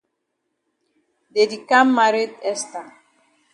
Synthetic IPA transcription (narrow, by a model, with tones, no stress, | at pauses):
de˨di˨ka˦mːa˨ɾe˦tɛ˦sta˨